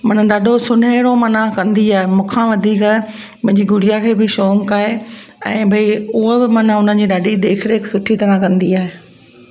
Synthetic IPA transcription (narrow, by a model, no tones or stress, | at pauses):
mɐnə̆ɗaːɖʱosʊn̤eːɽomɐnãkɐ̃nd̪iaːɦemũːkʰãʋɐd̪ʱiːk | mʊ̃ɦɪ̃ɲd͡ʑiɡʊɽijakʰeːbɪʃoːmkaɦeɛ̃ːbʱɐiʊɦobɪmɐnaʊn̤ən̆d͡ʑiːɗaːɖid̪eːkʰɪɽeɪksʊʈʰit̪ɐɾãkɐ̃nd̪iaːɦeː